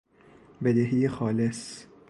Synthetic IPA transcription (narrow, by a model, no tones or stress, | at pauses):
bed̪eɦijexɒːles